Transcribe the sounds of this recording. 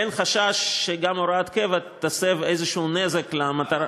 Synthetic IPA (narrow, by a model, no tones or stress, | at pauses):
enχaʃaʃːeɡamoɾat̪kevatt̪ːasevejzeʃuːnezeklamat̪aɾa